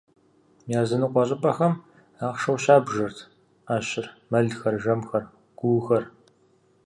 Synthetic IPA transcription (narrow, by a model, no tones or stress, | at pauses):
jaːzɨnɨqʷɔɕʼɪpʼɐxɐm | aːχʂɐwɕaːbʒɐrtʰ | aːɕɪrmɐɮxɐrʒɐmxɐr | ɡ̥ʷuːxɐr